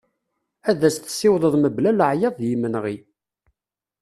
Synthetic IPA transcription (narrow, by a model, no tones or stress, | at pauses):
æðæsθsːɪwðˤəðˤməblæləʕjɑðˤjimːənʁi